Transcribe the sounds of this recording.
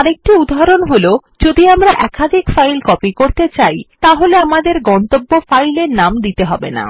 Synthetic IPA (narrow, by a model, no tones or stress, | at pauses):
aɾek̚ʈiud̪ʱːaɾonɦolod͡ʑod̪iamɾaʔɛkad̪ʱikfajlkɔpikoɾt̪et͡ɕajt̪aɦoleamad̪eɾɡɔnt̪obːofajleɾnamd̪it̪eɦɔbḛna̰